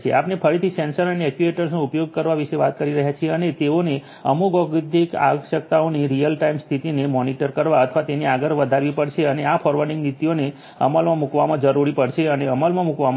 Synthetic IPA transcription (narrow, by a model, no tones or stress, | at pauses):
t͡ʃʰḛapnepʰəɾit̪ʰisɛ̃nsəɾəneɛkjueʈəɾsnoupjoɡ̚kəɾʋaʋiʃeʋat̪̚kəɾiɾəɦjat͡ʃʰieənet̪eone | ə̰muɡɔɡd̪ʱika̰ɡʃək̚t̪aoniɾijəlʈaimst̪ʰit̪inemɔniʈəɾkəɾʋaət̪ʰəʋat̪eneaɡəɾʋəd̪ʱaɾʋipəɽʃeəneafʰɔɾʋəɾɖĩŋɡnit̪ione | ə̰məlmãmukʋamãd͡ʒəɾuɾipəɽʃeəneəməlmãmukʋam